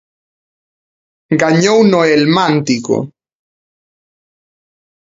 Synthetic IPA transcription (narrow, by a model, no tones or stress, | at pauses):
ɡaɲownoelmãnt̪iko̰